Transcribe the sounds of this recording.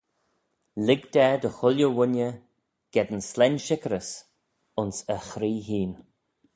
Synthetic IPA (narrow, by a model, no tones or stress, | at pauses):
lɪɡd̪ɛːd̪əxʊlʲjəwʊnʲjə | ɡ̥ɛd̪ənslɛnʲʃɪkəɾəs | ʊnsəxɾiːɦiːn